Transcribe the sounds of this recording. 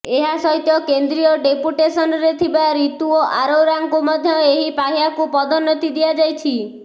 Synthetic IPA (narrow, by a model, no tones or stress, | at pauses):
eɦasɔɦit̪jɔkend̪ɾijɔɖepuʈesɔnɔɾet̪ʰibaɾit̪uoʔaɾowɾaŋkumɔd̪ʱjɔeɦipaɦijakupɔd̪ɔnːɔt̪id̪iad͡ʒajt͡ʃʰi